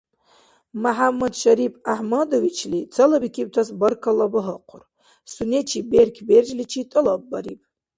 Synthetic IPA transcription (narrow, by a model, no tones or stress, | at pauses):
maħamːad̪ʃaɾipʼaħmadovit͡ʃʰlit͡sʰɐlabikʲʰib̚tʰasbɐrkʰalabɨɦɨqʷʰʊr | sunet͡ʃʰiberkʲʰberd͡ʒlit͡ʃʰitʼɨlabːaɾipʼ